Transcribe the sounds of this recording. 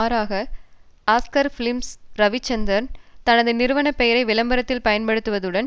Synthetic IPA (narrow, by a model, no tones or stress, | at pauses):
ɾaːɣɐ | aːskɐɾfɪlɪmsɾɐʋɪt͡ʃːɐnd̪ɾɐɾnt̪ɐnɐðɯnɪɾɯʋɐɳɐpːɛjɐɾɐɪʋɪlɐmbɐɾɐt̪ːɪlpɐjɐnpɐɽɯt̪ːɯʋɐðɯɽɐn